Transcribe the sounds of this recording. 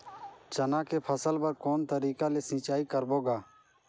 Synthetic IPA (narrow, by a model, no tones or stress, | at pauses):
t͡ʃənãːkeːpʰəsəlpəɾkoːnt̪əɾiːkaːleːsɪ̃ːt͡ʃaːikəɾboːɡaː